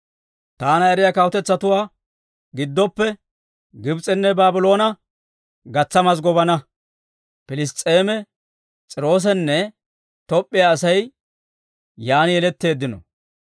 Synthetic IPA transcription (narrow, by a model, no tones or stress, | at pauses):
t̪aːnɐɛɾɪjakɐwɔt̪ɛt͡sːɐt̪ʊwaː | ɡɪd̪ːɔpːɛ | ɡɪbt͡sʼɛnːɛbaːbʊlo̞ːnɐ | ɡɐt͡sːɐmɐs̬ɡɔβɐnɐ | pɪlɪst̪ʼːeːmɛ | t͡sʼɪɾo̞ːs̬ɛnːɛ | t̪ɔpʼːɪjaːsɐj | jaːnɪjɛlɛt̪ːe̞ːd̪ːɪnɔ̰